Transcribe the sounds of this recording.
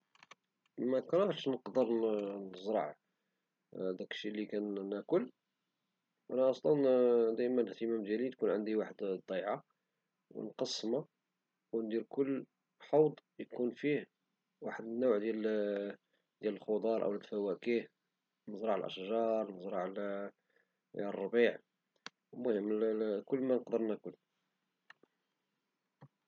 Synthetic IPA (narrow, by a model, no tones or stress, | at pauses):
mækɑɾæəʃnəqd̪əɾnəzɾˤɑ̰ʕ | d̪ækʃilːikænnækʊl | ʔænæʔɑsˤlɑnd̪æjmænəht̪əmæmd̪jælit̪kunʕənd̪iwaħəd̪d̪ˤːɑjʕa | wə̰nqɑsːma | wnd̪iɾkʊlː | ħɑwd̪ˤjkunfih | waħəd̪ənːuwʕd̪jæl | d̪jæləlxod̪ˤɑɾˤʔə̰wlət̪fæwækih | nəzɾˤɑʕə̰lʔə̰ʃʒɑɾˤnəzɾˤɑʕl | ərˤːɑbiʕ | mʊhəmːkʊlːmænqd̪əɾnækʊl